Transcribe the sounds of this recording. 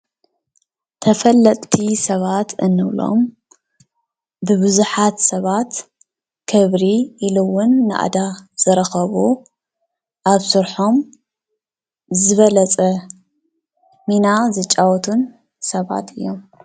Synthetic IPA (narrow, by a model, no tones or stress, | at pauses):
t̪ʰɐfɐlːɐt̪ʼt̪ʰisɐβat̪ʰɨnːɨwlo̞̰m | bɨβɨzuħat̪sɐβat̪ | kʰɐβɾiːluwʊnːɨʔa̰d̪az̥ɨɾɐxɐβu | ʔaβsɨɾħo̞m | zɨβɐlɐt͡sʼɐ | minazɨt͡ʃʼːawɔt̪ʰun | sɐβa̰t̪ʰɨ̰jːo̞m